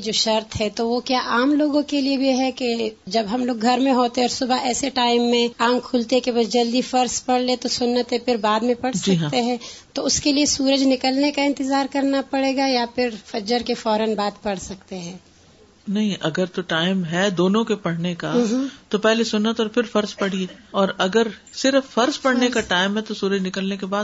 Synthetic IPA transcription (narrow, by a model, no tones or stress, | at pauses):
d͡ʒoːʃɐɾt̪ɦɛt̪oʋokjaːʔaːmloːɡõkeliebʱiɦɛked͡ʒɐbɦɐmloːɡɡʱɐɾmẽɦoːt̪eɦɛɔːɾsʊbʱaɛːseʈaːɪmːẽãːŋɡkʰuːlt̪eɦkebaːd͡ʒd͡ʒɐld̪ifɐɾspɐɽlet̪osʊnːət̪ɦɛ̃pɪɾbaːd̪mẽpɐɽsd͡ʒiɐːkɦãt̪eɦɛ̃ːt̪oʊskeliesuːɾəd͡ʒnɪkəlnekaɪ̃nt̪ɪzaːɾkɐɾnapɐɽeːɡajapɪɾfɐd͡ʒəɾkefɔːɾənbaːt̪pɐɽ̤sɐkt̪eɦɛ̃ː | nɐɦĩʔɐɡəɾt̪oʈaːɪmɦɛd̪oːnõkepɐɽ̤nekat̪opɛɦlesʊnːət̪ɔːɾfʰɪɾfɐɾspɐɽ̤ieɔːɾɐɡəɾsɪɾfːɐɾspɐɽ̤nekaʈaːɪmɦɛt̪osuːɾəd͡ʒnɪkəlnekebaːd̪